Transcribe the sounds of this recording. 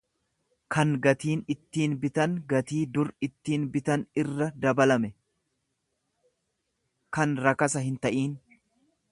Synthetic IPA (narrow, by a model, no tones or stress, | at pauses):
kɐŋɡɐt̪iːnɪt̪ːiːnbɪt̪ɐnɡɐt̪iːd̪ʊɾɪt̪ːiːnbɪt̪ɐnɪrːɐd̪ɐbɐlɐmɛ | kɐnɾɐkɐsɐɦɪnt̪ɐʔiːn